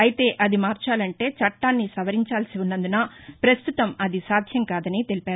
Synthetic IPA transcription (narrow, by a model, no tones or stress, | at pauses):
ɐjit̪e̞ːʔɐd̪imaːɾt͡ʃaːlɐɳʈe̞ːt͡ʃɐʈːaːnːisɐʋɐɾiɲt͡ʃaːlsiunːɐnd̪unɐpɾɐst̪ut̪ɐmɐd̪isaːd̪ʱjɐŋkaːd̪ɐnit̪elipaːɾu